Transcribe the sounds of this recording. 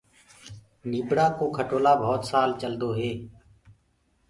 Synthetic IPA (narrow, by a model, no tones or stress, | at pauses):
niːbɽaːkoːkʰəʈoːlaːbʱɔːt̪saːlt͡ʃəld̪oːɦeː